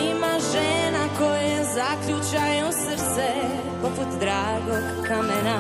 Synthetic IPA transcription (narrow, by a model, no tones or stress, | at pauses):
imaʒenakojaezakʎut͡ʃajeusəɾt̪se | poput̪d̪ɾaːɡoɡ | kamena